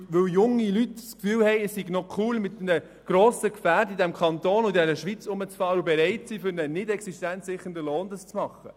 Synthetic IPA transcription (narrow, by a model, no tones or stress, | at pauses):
ʋɵwjʊŋːilytskfyːlhɛɪəssiɡnɔkʰuːlmɪt̪nə | ɡ̥ɾoːsəkfæːɾdidɛmkʰɑnt̪oːnʊd̪ɛɾəʃʋit͡sʊmət͡sfɑːɾəubɛɾɛɪtsiːfʏɾnənɪdɛksiʃtænt͡ssɪχəndəloːnd̪ɑst͡smɑχə